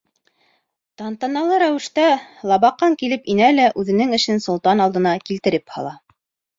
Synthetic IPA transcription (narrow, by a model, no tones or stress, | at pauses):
t̪ɑnt̪ɑnɑlˠɤɾæwɘ̆ʃt̪ælˠɑβɑqːɑŋkilɘpinælæʔʉðɘ̆nɘŋɘ̆ʃɘnsŏlˠt̪ɑnɑlˠd̪ɤ̆nɑkilt̪ɘ̆ɾɘphɑ̰lˠɑ